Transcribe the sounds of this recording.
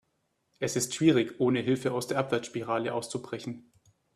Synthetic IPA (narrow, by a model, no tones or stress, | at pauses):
ʔɛsɪstʃv̥iːʁ̞ɪçʔoːnəɦɪlfəʔaʊsd̥eːɐʔapv̥ɛɐt͡sʃpiʁ̞aːlə̰ʔaʊst͡subʁɛçn̩